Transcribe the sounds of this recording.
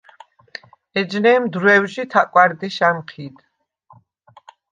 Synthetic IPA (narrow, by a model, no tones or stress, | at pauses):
ɛd͡ʒnɛːmd̪ɾwɛwʒit̪ʰakʼwaɾd̪iʃamχʰid̪